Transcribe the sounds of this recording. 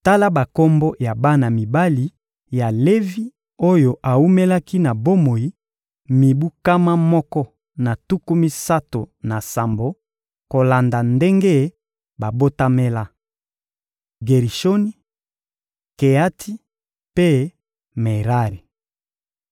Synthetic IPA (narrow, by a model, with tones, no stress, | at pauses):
ta˦la˦ba˨ko˦mbo˦ja˨ba˦na˨mi˨ba˦li˨ | ja˨le˦vi˦ | o˦jo˨ʔa˨u˦me˦la˦ki˦na˨bo˦mo˨i˦ | mi˨bu˦ka˦ma˦mɔ˦kɔ˦ | na˨tu˦ku˦mi˦sa˦to˨na˨sa˨mbo˨ | ko˨la˨nda˨nde˦ŋɡe˦ | ba˨bo˦ta˦me˦la˦ | ɡe˨ʁi˨ʃo˦ni˦ | ke˨a˦tʰi˦ | pe˦ | me˨ʁa˦ʁi˨